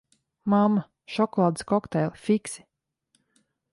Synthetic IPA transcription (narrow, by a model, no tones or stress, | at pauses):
mamːa | ʃɔkɔlˠaːd̪ɨskɔkt̪ɛjlˠfiksi̥